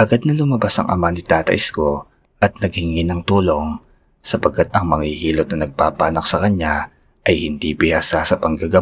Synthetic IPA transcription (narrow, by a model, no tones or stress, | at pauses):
ʔɐɡad̪̚nɐlʊmɐbasɐ̰ŋʔɐ̰manɪt̪aːt̪ɐ̰ʔɪsko̞ | ʔɐt̪̚nɐɡ̚hɪŋɪnɐŋt̪uːlo̞ŋ | sɐpɐɡ̚kːat̪̚ɐŋmɐŋihiːlot̪̚nɐnɐɡ̚paːpaːnɐk̚sɐkɐɲːa | ʔɐjhɪnd̪ibɪhasasɐpɐŋɡɐɡɐ